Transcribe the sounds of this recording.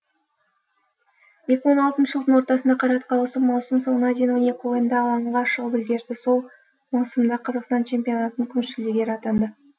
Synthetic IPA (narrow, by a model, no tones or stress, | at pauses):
je̞kʲɪwo̞nɑlˠt̪ənʃəʒəlˠd̪əɴwo̞ɾt̪ɑsənd̪ɑqʰɑɾɑt̪əqʰɑwəsəmːɑwsəmsoɴnɑd̪enwonekʲojənd̪ɑːlˠɑɴʁɑʃəʁəpɪlɡʲe̞ɾd̪ɪso̞lˠ | mɑwsəmd̪ɑqʰɑzɑqst̪ɑnt͡ʃʰe̞mpʲio̞nɑt̪ənəŋkʲʰʏnʃɪld̪eɡʲe̞ɾɑt̪ɑnd̪ə